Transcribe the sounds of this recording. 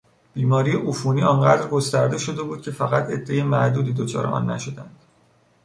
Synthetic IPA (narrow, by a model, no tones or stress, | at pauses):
b̥iːmɒːɾijeʔufuniːɒːnɢæd̪ɾɡo̞st̪æɾd̪e̞ʃo̞d̪e̞buːd̪̚cʲʰe̞fæɣæt̪ʰe̞d̪ːe̞jemæʔd̪uːd̪iːd̪ot͡ʃʰɒ̰ːɾeʔɒ̰nːæ̰ʃo̞d̪ænd̪̥